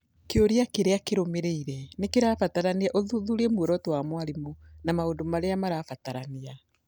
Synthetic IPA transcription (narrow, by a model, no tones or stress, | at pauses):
keoɾeakeɾeakeɾomeɾeiɾɛnekeɾafataɾaniaʔoðuðuɾemweɾɔtwamwaɾemonamaondomaɾeamaɾafataɾania